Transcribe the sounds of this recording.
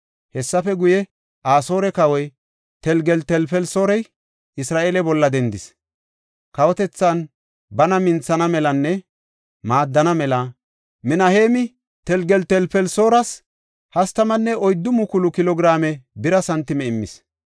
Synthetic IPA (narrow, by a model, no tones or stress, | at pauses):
hɛsːɐfɛɡʊjɛ | ʔaːso̞ːɾɛkɐwɔj | t̪ɛlɡɛlt̪ɛlpɛlso̞ːɾɛj | ɪsɾaːʔeːlɛbɔlːɐd̪ɛnd̪ɪs | kɐwɔt̪ɛt͡sːɐn | bɐnɐmɪnt͡sːɐnɐmɛlɐnːɛ | maːd̪ːɐnɐmɛlɐ | mɪnɐheːmɪ | t̪ɛlɡɛlt̪ɛlpɛlso̞ːɾɐs | hɐst̪ɐmɐnːɛʔɔjd̪ːʊmʊkʊlʊkɪlɔɡɾaːmɛbɪɾɐsɐnt̪ːɪmɛɪmːɪ̰s